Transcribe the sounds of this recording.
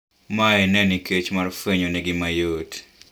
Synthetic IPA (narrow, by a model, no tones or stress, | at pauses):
maɛnɛnɪket͡ʃmarfeɲoneɡɪmajot